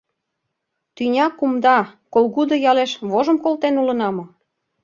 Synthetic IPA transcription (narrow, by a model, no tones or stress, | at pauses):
t̪ynʲɑkumd̪ɑkolɣud̪ojɑleʃβoʒə̆mkolt̪enulə̆nɑmŏ